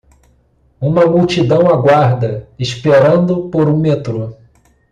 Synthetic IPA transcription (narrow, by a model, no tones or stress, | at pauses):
ũmɐmuwt͡ʃid̪ɐ̃w̃aɡwaɾd̪ɐiʃpeɾɐ̃nd̪ʊpoɾũmet̪ɾo